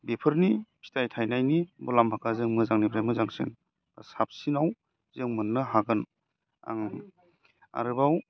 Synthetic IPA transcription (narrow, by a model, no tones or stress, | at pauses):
bepʰɯɾnipʰi̥tajtʰajnajnibɔlambʱakʰazɯŋmɯzaŋnibʰɾajmɯzaŋsɯ̰n | asap̚sinaw | zeŋmɯnːɯɦaɡɯn | a̰ŋ | a̰ɾɯbaw